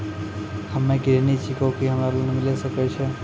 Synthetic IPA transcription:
həmːẽɡiɾenit͡ʃʰikokiɦəmɾaɾlonmilesəkɛt͡ʃʰɛ

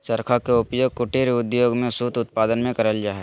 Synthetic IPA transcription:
t͡ʃəɾkʰakeʊpjoːɡ̚kʊʈeɾʊd̪joːɡmẽsut̪ʊt̪̚paːd̪ənmẽkəɾəld͡ʒaːɦɛ

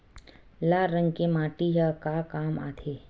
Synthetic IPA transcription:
laːɾə̃ŋɡkemaːʈiɦakakaːma̰ːt̪ʰe

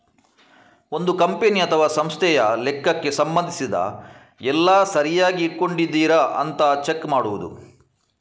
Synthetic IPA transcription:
o̞nd̪ukɐmpeniɐt̪ʰɐʋaːsɐmst̪ʰɛjɐlɛkːɐkːe̞sɐmbɐnd̪ʱisid̪ɐ̰ | ɛlːaːsɐɾijaːɡiːʈ̚ko̞ɳɖid̪ːiːɾɐʔɐ̰nt̪ɐt͡ʃekːmaːɽuʋud̪ṵ

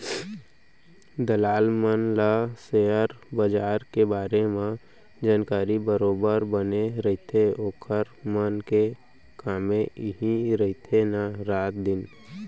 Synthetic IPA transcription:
d̪əlaːlmənlaseəɾbəd͡ʒaːɾkebaːɾemẽ | d͡ʒaːnkaːɾibəɾoːbəɾbəneɾəɦɪt̪ʰeoːkʰəɾmənke | kaːmẽɪɦĩɾəɦɪt̪ʰenaɾaːt̪̚d̪ɪn

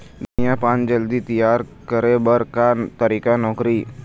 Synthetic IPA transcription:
d̪unijãpaːnd͡ʒəld̪it̪ijaːɾ | kəɾebəɾkat̪aɾikanɔːkɾi

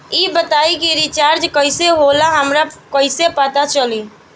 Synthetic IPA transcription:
ibət̪aikiɾit͡ʃaɾd͡ʒkəɪseɦolaɦəmɾakəɪsepət̪at͡ʃəli

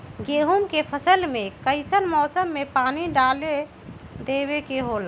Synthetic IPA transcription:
ɡeɦumkepʰəsəlmekəɪsənmɔːsəmːepaniɖale | d̪eβekeɦola

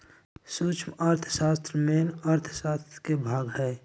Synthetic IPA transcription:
suːt͡ʃʰməɾt̪ʰə̥saːst̪ɾəmeːnəɾt̪ʰə̥saːst̪ɾəkebʱaːɡɦɛː

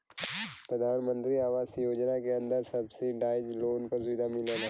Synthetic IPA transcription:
pɾəd̪ʱaːnmə̃nt̪ɾiaːʋaːsjoːd͡ʒnakeɐ̃nd̪əɾsɐbseɖaːɪd͡ʒloːnkɐsʊʋɪd̪ʱamɪləna

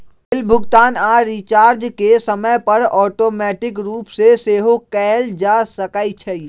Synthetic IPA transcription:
ɪlbʱʊɡt̪aːnaːɾit͡ʃaːɾd͡ʒkesɐməjpɐɾɔːʈoːmɛːʈɪkɾuːpseseːɦokɛɦld͡ʒaːsɐkaːit͡ʃʰɛi

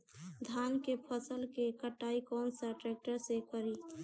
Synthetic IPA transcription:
d̪ʱankepʰəsəlkekəʈːaikɔːnsaʈɾɛk̚ʈəɾsekəɾi

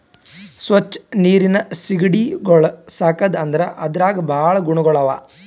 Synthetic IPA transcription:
sʋɐt͡ʃːniːɾinɐsiɡɐɽiɡɔɭɐsaːkɐd̪ɐnd̪ɐɾɐʔɐd̪ɐɾaːɡɐbʱaːɭɐɡuɳɐɡɔɭɐʋaː

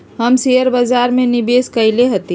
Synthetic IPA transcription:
ɦəmsijəɾbəd͡ʒaɾmenibeskəɪleɦət̪i

